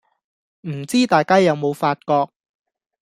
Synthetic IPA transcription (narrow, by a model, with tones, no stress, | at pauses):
m̩˨˩t͡siː˥t̪aː˨jkaː˥jɐ˨˧wmo˨˧wfaː˧t̚kɔː˧k̚